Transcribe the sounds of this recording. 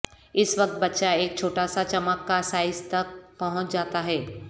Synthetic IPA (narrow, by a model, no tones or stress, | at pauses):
ɪsʋɐk̚t̪̚bɐtːʃaeːk̚t͡ʃʰoːʈaːsat͡ʃɐməkːasaːɪzt̪ɐk̚pɐɦʊ̃t͡ʃd͡ʒaːt̪aɦɛː